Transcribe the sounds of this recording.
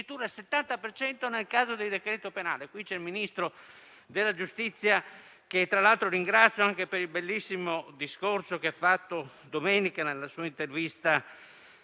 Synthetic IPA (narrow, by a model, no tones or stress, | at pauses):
it̪uːɾalset̪ːant̪apert͡ʃɛnt̪onelkaːzod̪eld̪ekɾɛːt̪openaːlekwit͡ʃɛlminist̪ɾo | d̪elːad͡ʒust̪it̪sːja | ket̪ːɾalalt̪ɾoɾiŋɡɾat̪sjoaŋkepeɾilbelːisːimod̪iskorsokeafːat̪ːo | d̪omɛːnikanelːasuːaint̪ervist̪a